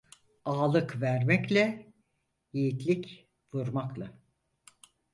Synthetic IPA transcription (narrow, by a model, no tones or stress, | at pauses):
aːlˠɯkvæɾmɛclʲɛ | jejit̪ʰlʲic | vuɾmaklˠa